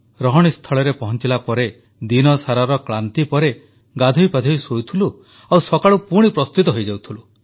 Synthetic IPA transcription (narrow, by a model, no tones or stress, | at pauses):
ɾɔɦɔɽ̃ist̪ʰɔɭɔɾepɔɦɔnt͡ʃilapɔɾe | d̪inɔsaɾaɾɔkɭant̪ipɔɾe | ɡad̪ʱujpad̪ʱɔjsowt̪ʰulu | awsɔkaɭupuɽ̃ipɾɔst̪it̪ɔɦɔjd͡ʒawt̪ʰulu